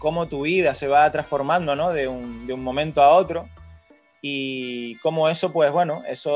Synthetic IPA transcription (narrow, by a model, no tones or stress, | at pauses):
ko̞mot̪uβiðase̞βat̪ɾasfo̞ɾmãnd̪ono̞ðe̞uŋd̪euŋmõ̞mẽnt̪oao̞t̪ɾo | iko̞moe̞sopwe̞ɦβwe̞noe̞so